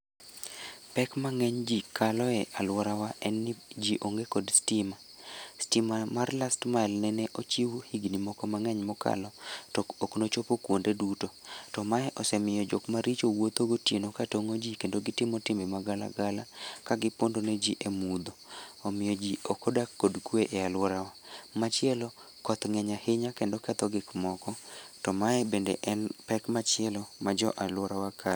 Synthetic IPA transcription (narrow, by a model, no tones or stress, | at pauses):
pɛkmaŋɛɲd͡ʒikalɔɛʔalwɔɾawaʔɛnːɪd͡ʒiʔoŋɡekɔdstɪma | stimamarlastmalnɛnɛʔot͡ʃiwhiɡnimɔkɔmaŋɛɲmɔka̰lɔtɔkoknot͡ʃopokwondedutotɔmaɛʔɔsɛmɪjɔd͡ʒokmaɾit͡ʃowot̪oɡotjenokatoŋod͡ʒikendoɡɪtɪmɔtɪmbemaɡala̰ɡalakaɡɪpondoned͡ʒiʔemud̪oːmɪjɔd͡ʒiokodakːodkweʔealwɔɾawamat͡ʃɪɛlɔ | kɔt̪ŋɛɲaheɲakendokat̪ɔɡɪkmɔkɔtɔmaɛbendḛʔɛnpɛkmat͡ʃɪɛlɔmad͡ʒɔʔalwɔɾawakʰa